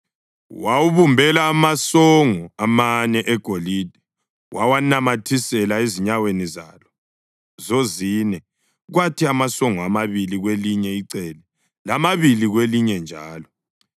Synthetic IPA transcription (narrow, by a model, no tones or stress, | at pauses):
wawuβumbʱɛlaːmasoŋuamanɛʔɛɡ̥ʱolid̥ʱɛ | wʔawanamatʰisɛlaeziɲaweniza̰lɔ | zoziːnɛ | ɣwatʰiamasoŋɔamaβiliɣweliɲɛiǀɛːlɛ | lamaβiliɣweliɲɛnd͡ʒʱaːlɔ